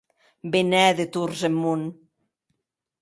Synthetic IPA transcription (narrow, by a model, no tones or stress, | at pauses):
benɛðet̪uɾzemːun